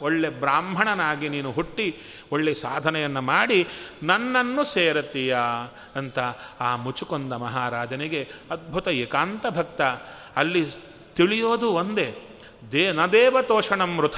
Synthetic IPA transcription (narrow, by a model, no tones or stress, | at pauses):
oɭːebɾaːmbʱɐɳɐnaːɡiniːnuɦoʈːi | oɭːesaːd̪ʱɐnɛjɐnːumaːɽinɐnːɐnːuseːɾɐt̪ija | ɐnt̪ɐaːmut͡ʃukond̪ɐmɐɦaːɾaːd͡ʒɐniɡe̞ɐd̪̚bʱut̪ɐekaːnt̪ɐbʱɐk̚t̪ɐ | ɐlːi | t̪iɭijoːd̪uond̪e̞ | d̪eːnɐd̪eːʋɐt̪oːʂɐɳɐmɾut̪ʰɐ